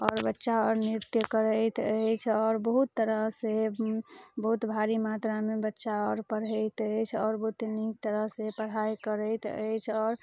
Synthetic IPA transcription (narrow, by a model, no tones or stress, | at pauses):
ɔːɾbətːʃaɔɾniɾt̪jəkəɾəjt̪əjt͡ʃʰɔːɾbəɦut̪ːəɾəɦse | bəɦut̪bʱaɾimat̪ɾamebətːʃaɔɾpəɾ̤əjt̪əjt͡ʃʰɔːɾbəɦut̪nik̚t̪əɾəɦsepəɽ̤ajkəɾət̪ə̰jt͡ʃʰɔːɾ